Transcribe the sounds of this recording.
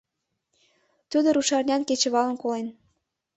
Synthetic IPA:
t̪ud̪oɾuʃɑrnʲɑnket͡ɕə̆βɑlə̆nkolen

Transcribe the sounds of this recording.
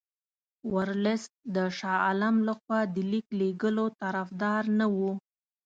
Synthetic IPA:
waɾlɪsd̪əʃɑalamlaxwɑd̪əlikleɡəlot̪aɾafd̪ɑɾnawu

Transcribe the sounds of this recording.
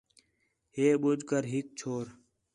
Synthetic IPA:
heːɓud͡ʒkəɾɦik̚t͡ɕʰoːɾ

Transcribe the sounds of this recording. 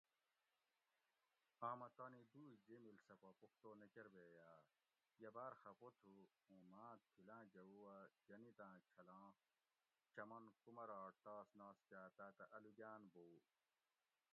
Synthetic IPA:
ãːmɐt̪ɐːnid̪uːd͡ʒemilsɐpɐpukʰt̪oːnɐkeɾbeːjaː | jɐbaːɾxɐpot̪ʰu | ũːmãːt̪ʰːilãːd͡ʑɐuwɐd͡ʒɐnit̪ãːt͡ɕʰɐlãː | t͡ɕɐmɐnkumɐɾaːʈt̪aːsnaːskaːt̪aːt̪ɐʔɐluɡaːnboː

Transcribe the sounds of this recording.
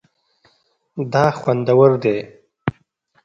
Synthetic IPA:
d̪ɑxwand̪awəɾd̪e

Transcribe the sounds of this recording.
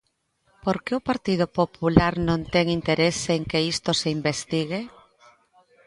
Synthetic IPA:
poɾkeʊpaɾt̪ið̞ʊpopulaɾnõnt̪ɛŋint̪eɾeseŋkeist̪oseimbest̪iɣ̞e

